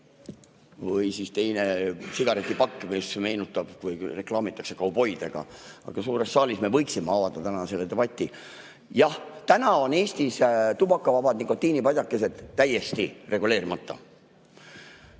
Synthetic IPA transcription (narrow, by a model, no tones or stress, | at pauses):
vɤjsist̪e̞jne̞siɡ̥ɑɾe̞t̪ʲːˑipɑkːmiseme̞ːnut̪ːˑɑb̥vɯjre̞klɑːmit̪ːˑɑ̥kse̞kɑwupo̞jd̪e̞̰ɡ̥ɑ̰ɑ̰ɡ̥ɑsuːɾe̞sːɑːlʲisme̞vɤ̞jksimeɑvɑd̪̥ɑt̪ænɑse̞lːed̪e̞b̥ɑt̪ʲːˑi | jɑht̪ænɑo̞ne̞ːst̪ist̪ub̥ɑkːˑɑvɑbɑd̪niŋkot̪ːiːnipɑjʲd̪ʲɑkːˑe̞se̞d̪̥t̪ːæjːe̞st̪ire̞ɡ̥ule̞ːɾimɑt̪ˑːɑ̰